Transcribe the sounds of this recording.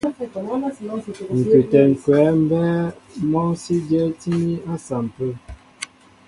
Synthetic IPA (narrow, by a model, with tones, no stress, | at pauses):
ŋ̩˨kʉ˨tɛ˨ŋ̩˨kɛ˨˦m̩˦bɛ˦mɔ˦si˦dɛ˦ti˦a˦sa˨m̩˨pə˦